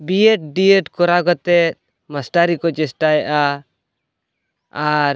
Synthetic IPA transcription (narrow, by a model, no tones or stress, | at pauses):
bijeʈ̚ɖijeʈkɔɾaɡɔt̪ɛt̪̚ | masʈaɾikɔd͡ʒɛsʈajɛʔa | aɾ